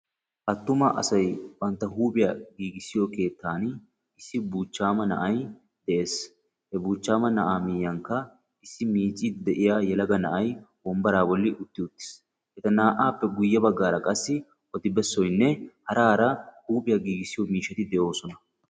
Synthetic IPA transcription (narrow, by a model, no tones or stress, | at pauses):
ʔɐt̪ːʊmɐʔɐ̰sɐjbɐnt̪ːɐɦuːpʼɪjaːɡiːɡɪsːɪjoke̞ːt̪ːaːn | ɪsːɪbuːt͡ʃːaːmɐnɐ̰ʔɐj | d̪̥ɛʔe̞ːs | hɛbuːt͡ʃːaːmɐnɐʔaːmijɐŋkːɐ | ɪsːɪmiːt͡ʃʼːɪd̪ɛʔɪjaːjɛlɐɡɐnɐʔɐjwɔmbɐɾaːbɔlːɪʔʊt̪ːɪʊt̪ːɪ̥s | hɛt̪ɐnaːʔaːpːɛɡʊjːɐbɐɡːaːɾɐkʼɐsːɪ | ʔɔt̪ɪbɛsːɔjnːɛhɐɾaːɾɐhuːpʼɪjɐɡiːɡɪsːɪjɔmiːʃɛt̪ɪd̪ɛʔo̞ːsɔnɐ